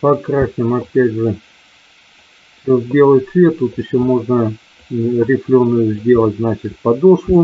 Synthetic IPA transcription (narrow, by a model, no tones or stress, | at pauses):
pɐkɾasʲnʲɪmɐpʲædʲʐɨ | sʲozʲdʲe̞lˠət̪ʲsvʲe̞t̪ːut̪ɨɕːomo̞ʐnə | ɾʲɪflʲonːʊjʊzʲdʲe̞lˠətʲznat͡ɕɪt̪̚ʲpɐd̪oʂlˠʊ